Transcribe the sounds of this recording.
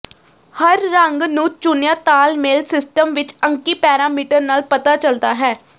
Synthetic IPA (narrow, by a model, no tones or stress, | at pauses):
həɾːəŋɡnũːt͡ʃʊnjãːt̪aːlmeːlsɪsʈəmʋɪt͡ʃəŋkiːpɛːɾaːmiːʈəɾnaːlpət̪aːt͡ʃəld̪aːɦɛː